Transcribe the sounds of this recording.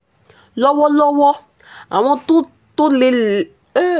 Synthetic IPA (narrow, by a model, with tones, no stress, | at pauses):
lɔ˦wɔ˦lɔ˦wɔ˦ | a̰˨w̃ɔ̃˦t̪o˦ | t̪o˦le˨l